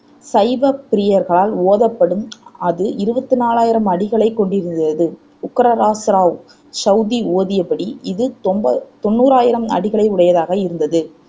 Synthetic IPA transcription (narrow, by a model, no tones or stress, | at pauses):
sɐɪʋɐpɪɾɪjɐɾɣɐɭaːloːðɐpːɐɽɯmɐðɯʔɪɾɯbɐt̪ːɯnaːlaːjɪɾɐmɐɽɪɣɐɭɐɪkːɔɳɖɪɾɯnd̪ɐðɯ | ʊkːɐɾɐɾaːsɾaːʋ | sɐʊðioːðɪjɐpːɐɽiɪðɯt̪mbɐt̪ɔnːuːɾaːjɪɾɐmɐ̰ɽɪɣɐɭɐɪʊɽɐjɐðaːɣɐɪɾɯnd̪ɐðɯ